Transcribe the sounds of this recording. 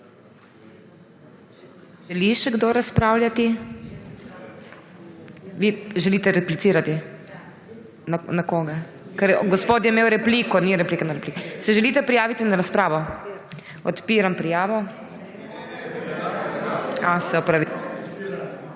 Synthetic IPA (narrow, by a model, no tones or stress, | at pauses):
ʒɛliʃɛɡd̪oɾaspɾaːwljat̪i | ʋiʒɛlit̪ɛɾɛplit̪siːɾat̪i | anakoːɡa | kɛɾɡɔspoːt̪̬jɛmeːwɾɛpliːkɔniɾɛplikɛnɔɾɛplikɛsɛʒɛlit̪ɛpɾijaːʋit̪inaɾaspɾaːʋɔ | ɔt̪piːɾampɾijaːʋɔ | asɛɔpɾaʋi